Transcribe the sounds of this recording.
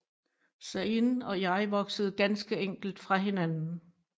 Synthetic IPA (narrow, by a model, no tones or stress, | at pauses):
sæenɒ̽jɑ̈ɪʋɒ̽ɡ̥səð̞̩ˠɡ̥ænsɡ̥əeŋ̰ɡ̥l̩d̥fʁɑ̈ɦe̝nænn̩